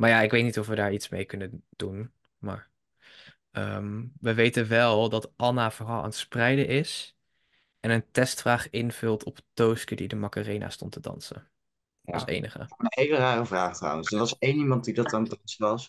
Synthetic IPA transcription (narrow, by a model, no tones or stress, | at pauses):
maːɹjaːɪkʋejtnitɔfʋədaːɹitsmḛjkɵnəd̥un | ma̰ːɹ | əmʋəʋejtənʋɛlˠdɑtʔɑnav̥ərɑlˠʔa̰ntsprɛjdəʔɪs | ʔɛnəntɛstfraːχɪnv̥ɵlˠtʰɔptowskədidəmɑkərejna̰stɔ̰ntʰədɑ̰nsə̰n | ɑ̰sḛjnəχə̰ejləraːrəvraːχtrɔ̰wə̃nsəʋɑsejnimɑnt̚didɑtɑndɑnsʋɑs